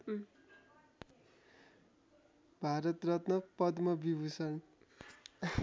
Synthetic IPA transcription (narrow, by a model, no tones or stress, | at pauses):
bʱaɾʌt̪rʌt̪mʌpʌd̪mʌbibʱusʌn